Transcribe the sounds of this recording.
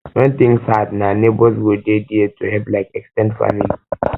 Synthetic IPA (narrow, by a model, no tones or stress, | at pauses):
wɛ̃nt̪ĩŋsatnanebɔs̬ɡodediɛtʰːuhɛlplaɪkɛkstɛ̃ndfa̰mili